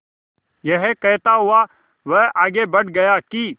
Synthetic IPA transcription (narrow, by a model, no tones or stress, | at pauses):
jɐɦkɛɦt̪aɦʊa | ʋəɦaːɡebɐʈɡɐjakiː